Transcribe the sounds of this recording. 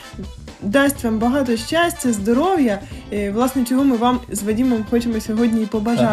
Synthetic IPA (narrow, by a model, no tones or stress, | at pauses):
d̪ɑsʲtʲʋɑmbɐɦɑt̪ɔʃt͡ʃasʲtʲɐzd̪ɔɾɔwjɐʋlˠɑsnɛt͡ʃɔɦɔmɪʋamzʋɐdʲimɔmxɔt͡ʃemɔsʲɔɦɔdʲnʲiipɔbɐʒɑ